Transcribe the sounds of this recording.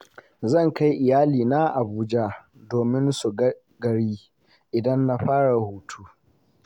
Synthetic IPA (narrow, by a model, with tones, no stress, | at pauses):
zɐ˦˨ŋka˦jʔɪ˨jaː˦liː˨na˦ʔa˨buː˦d͡ʒa˦ | doː˨mɪ˦nsu˨ɡ | ɡɐ˨ɽiː˦ | ʔɪ˨dɐ˦nːa˦ɸaː˦ɽa˨huː˦tʰuː˦